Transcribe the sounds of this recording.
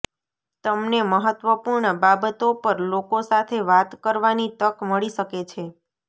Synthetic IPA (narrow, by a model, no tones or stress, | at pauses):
t̪əmneməɦət̪ʋəpuɾɳəbabət̪opəɾlokosat̪ʰeʋat̪kəɾʋanit̪əkməɭiʃəket͡ʃʰe